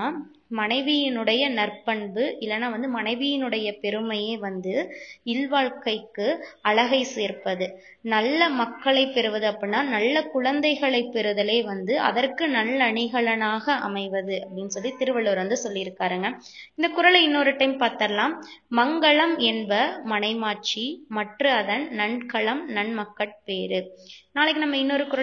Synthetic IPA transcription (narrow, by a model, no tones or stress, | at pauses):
mɐɳɐɪʋɪjɪnɯɽɐjɐnɐrpːɐɳbɯʔɪlːɐnːaːʋɐnd̪ɯmɐɳɐɪʋɪjɪnɯɽɐjɐpɛɾɯmɐjeːʋɐnd̪ɯɪlʋaːɭkɐɪkːɯɐɭɐɣɐɪseːɾpɐðɯ | nɐlːɐmɐkːɐɭɐɪpːɛɾɯʋɐðɯɐpːɐɽɪnːaːnɐlːɐkʊɻɐnd̪ɐɪɣɐɭɐɪpːɛɾɯðɐleːʋɐnd̪ɯʔɐ̰ðɐrkɯnɐlːɐɳɪɣɐɭɐnaːɣɐʔɐ̰mɐɪʋɐðɯɐpːɐɽɪnːɯsɔlːit̪ɪɾɯʋɐɭoːɾʋɐnd̪ɯsɔlːɪɪɾɯkːaːɾɯŋɡɐ | ɪnd̪ɐkʊɾɐɭɐɪnːoːɾɯʈːɐɪmpaːɾt̪ɐɾɐlaːmmɐŋɡɐɭɐmɛnbɐmɐnɐɪmaːt͡ʃimɐʈrɯɐðɐnnɐɳkɐɭɐmnɐɳmɐkːɐʈ̚peːɾɯnaːlɪkːɯnɐmːɐɪnːoːɾɯkʊɾɐ